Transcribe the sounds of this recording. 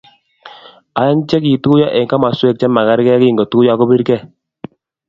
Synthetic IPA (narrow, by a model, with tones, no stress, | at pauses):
a˨ja˦ŋt͡ʃɛ˦ki˨tu˦ja˦ʔɛ˨ŋka˦ma˨swe˦˨k̚t͡ʃɛ˦ma˨ka˦ɾkɛ˦ki˦˨ŋɡɔ˨tu˦ja˦˨kɔ˦bi˦ɾkɛ˦˨